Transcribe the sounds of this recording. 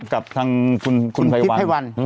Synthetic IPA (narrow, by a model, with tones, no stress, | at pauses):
ka˨˩p̚t̪ʰaː˧ŋkʰu˧nkʰu˧npʰa˧jwa˧˩wa˧n